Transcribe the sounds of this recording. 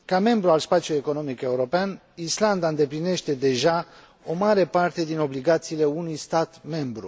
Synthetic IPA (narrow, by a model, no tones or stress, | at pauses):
kame̞mbɾualspat̪sjulujeko̞no̞mike̞uɾo̞pean | island̪aɨnd̪e̞pline̞ʃt̪e̞d̪e̞ʒa | o̞maɾe̞part̪e̞d̪ino̞bliɡat̪siːle̞unujst̪at̪me̞mbɾṵ